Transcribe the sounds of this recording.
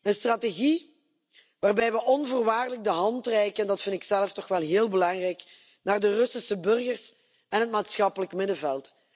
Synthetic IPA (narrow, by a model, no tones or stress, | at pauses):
ənstraːteɣi | ʋaːrbɛjʋəʔɔnvoːrʋaːrdələɡ̚dəɦɑntrɛjkəndɑtfɪntɪksɛləftɔxʋɛlˠɦɪːlˠbəlɑŋrɛjk | naːrdərɵsɪsəbɵrɣərs | ɛnɦət̚maːtsxɑpələkmɪdəvɛlˠt